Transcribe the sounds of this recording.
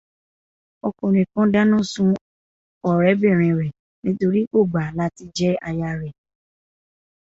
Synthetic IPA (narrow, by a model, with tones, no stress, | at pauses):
ɔ˧ko˨ɾ̃ĩ˨kɔ̃˨˦da˦nã˦˨sũ˧ | ɔ˨ɾɛ˨˦be˦˨ɾ̃ɛ̃˨ɾɛ˨ | nĩ˦to˧ɾi˦ko˦˨ɡ͡ba˨la˨˦ti˧d͡ʒɛ˦a˧ja˧ɾɛ˨